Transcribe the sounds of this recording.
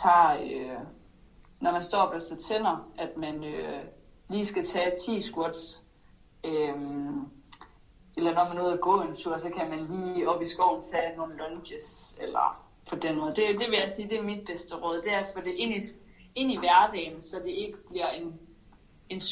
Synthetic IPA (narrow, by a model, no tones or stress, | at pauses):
t͡sʰɑ̈ːø | nɒmænsd̥ɒ̰ːb̥æsæt͡sʰen̰ɐæd̥mænøliːsɡ̥æt͡sʰɛːt͡sʰḭːsɡ̥uɐd̥s | øm | elɐnɒmæno̝ːðˠæɡ̥ɔ̰̽ːe̝nt͡sʰuɐsɒ̽kʰæmænliːɒ̽b̥isɡ̥ɒʊ̰n̩t͡sʰɛːno̝ːn̩lɒnɕəselɐ̰ | pʰɒ̽d̥enmɔð̩ˠd̥e̝d̥e̝ʋe̝jæsiːd̥e̝ɐmid̥̚b̥esd̥əʁɔ̽ːð̞ˠd̥e̝æɐfɔ̽d̥e̝ʔe̝n̰i | e̝n̰iʋæɐd̥ɛ̰ːnsɒ̽d̥e̝e̝ɡ̥əb̥liɐ̰e̝n | e̝n